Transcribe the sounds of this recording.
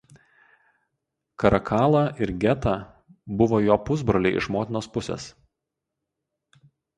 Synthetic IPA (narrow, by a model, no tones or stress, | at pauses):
kɐɾʔɐkʰɑːlˠɐʔɪɾɡʲɛt̪ɐ | bʊʋoːjoːpʊzbɾɐlʲeːʔɪ̰ʃmoːt̪ʲɪnoːspʊsʲḛs